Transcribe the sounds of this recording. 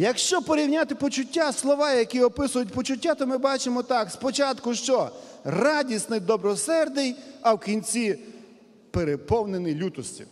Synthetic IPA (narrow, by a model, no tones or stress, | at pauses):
jɐkʃt͡ʃɔpɔɾʲiwnʲat̪ɪpɔt͡ʃʊtʲːaslˠɔʋɑjɐkiɔpɪsʊjʊt̚ʲpɔt͡ʃʊtʲːat̪ɔmɪbɑt͡ʃemɔt̪ɑkspɔt͡ʃɑt̪kʊʃt͡ʃɔ | rɑdʲisnɪjd̪ɔbɾɔsɛrd̪ɪjɐwkʲinʲt͡sʲi | peɾepɔwnenɪjlʲut̪ɔsʲtʲḭw